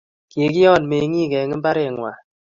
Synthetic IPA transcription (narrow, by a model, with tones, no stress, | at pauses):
ke˨ki˦ɔ˦˨n˨me˨˦ŋi˦˨ɡɛ˨ŋɨ˦ba˦ɾe˨ŋwa̰˨